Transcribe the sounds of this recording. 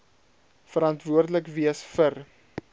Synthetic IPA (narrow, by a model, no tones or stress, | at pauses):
fəɾɐntvuərdələkviəsfər